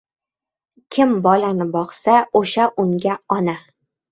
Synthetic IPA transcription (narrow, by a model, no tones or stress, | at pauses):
kʲʰɪmbɒlanɪbɒqsaoʃaʔʊŋɡʲaɒna